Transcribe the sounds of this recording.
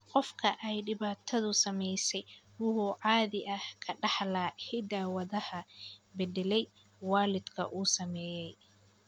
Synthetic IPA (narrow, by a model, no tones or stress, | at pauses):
qɔfkʰɐʔɛjɖɪβaːt̪ʰɐðʊsɐmɛjsɛj | wʊhʊʕɑːðɪʔɐhkʰɐɖɑħlaːhɪd̪aːwɐðɐhɐbɛd̪ɛlɛj | waːlɪd̪kʰɐ̰ʔuːsɐmɛːjɛj